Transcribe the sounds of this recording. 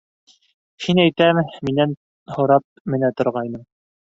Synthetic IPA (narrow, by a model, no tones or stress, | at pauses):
hinæjt̪æmminæn | hŏɾɑp̚mɘ̆næt̪ŏɾʁɑjnɤm